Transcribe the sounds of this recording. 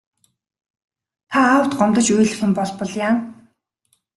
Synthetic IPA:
t̪ʰaːwt̪ɢɔmt̪ɞ̆t͡ɕujɮɘ̆xɪ̆mpɔɮpɞ̆ɮjaːn

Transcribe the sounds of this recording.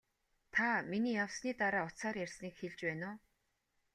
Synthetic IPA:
t̪ʰaminiːjawsniːt̪aɾaːʊt̪saːɾjærʲsniːkxeɮt͡ɕpæːnʊː

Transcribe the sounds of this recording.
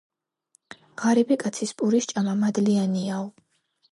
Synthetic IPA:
ʁaɾibikʼat̪sʰispʼuɾiʃt͡ʃʼamamad̪lianiaɔ

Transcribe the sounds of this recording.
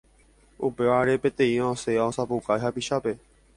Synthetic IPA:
upeaɾepet̪ẽĩõseõsapukajɦapiʃape

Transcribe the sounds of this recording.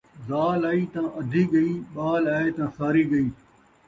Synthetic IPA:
zaːlaːiːt̪ãːʔɐd̪ʱiːɠɐiːɓaːlaːet̪ãːsaːɾiːɠɐiː

